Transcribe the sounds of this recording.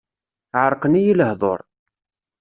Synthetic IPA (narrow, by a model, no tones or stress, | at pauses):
ʕəɾˤqənijiləhðˤo̰ɾˤ